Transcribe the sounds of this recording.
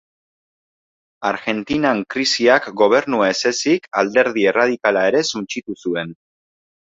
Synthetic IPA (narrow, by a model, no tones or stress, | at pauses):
aɾɣe̞nt̪inaŋkɾisiakɡo̞β̞e̞ɾnuese̞sikald̪e̞ɾðie̞rað̞ikalae̞ɾe̞sunt͡ʃit̪usue̞n